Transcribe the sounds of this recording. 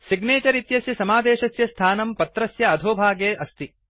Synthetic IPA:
siɡneːt͡ʃɐɾit̪jɐsjɐsɐmaːd̪eːʃɐsjɐst̪ʰaːnɐmpɐt̪ɾɐsjɐɐd̪ʱoːbʱaːɡeːʔɐst̪i

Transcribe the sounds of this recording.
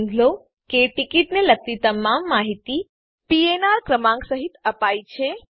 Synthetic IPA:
ŋɡlo | keʈikiʈnelək̚t̪it̪əmamːaɦit̪i | pienaɾkɾəmãŋɡsəɦit̪əpajt͡ʃʰe

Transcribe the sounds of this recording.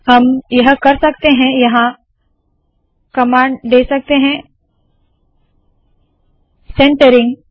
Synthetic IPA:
hɐmjɐɦkɐɾsɐkt̪eɦɛ̃jɐɦã | kɐmãːɳɖɖeːsɐk̚t̪eɦɛ̃ | sẽːɳʈəɾɪ̃ŋɡ

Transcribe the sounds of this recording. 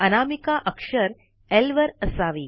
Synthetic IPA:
ɐnaːmikaʔəkʂəɾ | elʋəɾəsaːʋiː

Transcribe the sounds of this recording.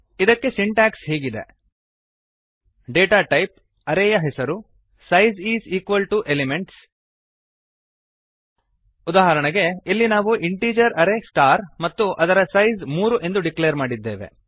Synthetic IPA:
id̪ɐkːe̞siɳʈaːksɦiːɡid̪e̞̰ | ɖeːʈaːʈɐjp̚ | ɐɾeːjɐɦɛsɐɾu | sɐjziːziːkʋɐlʈuʔelimeɳʈs | ud̪aːɦɐɾɐɳɐɡe̞ilːinaːʋuʔiɳʈiːd͡ʒɐɾɐɾesʈaːɾmɐt̪ːuʔɐd̪ɐɾɐsɐjzmuːɾuʔe̞nd̪uɖiklejɐɾmaːɽid̪ːeːʋe̞̰

